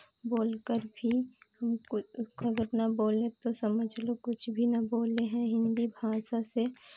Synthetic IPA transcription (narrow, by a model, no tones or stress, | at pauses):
boːlkəɾbʱi | hɐmʊɐɡəɾnɐboːlẽt̪osɐməd͡ʒʱlokʊt͡ʃʰbʱinɐboːleɦɛ̃ɦɪ̃nd̪ibʱaːʃase